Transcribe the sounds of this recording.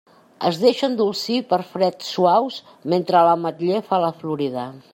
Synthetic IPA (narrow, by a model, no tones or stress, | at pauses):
ə̰zðeʃənd̪ulˠsipəɾfɾɛt̪sːuaws | ment̪ɾələmət̪ʎefaləfluɾiðə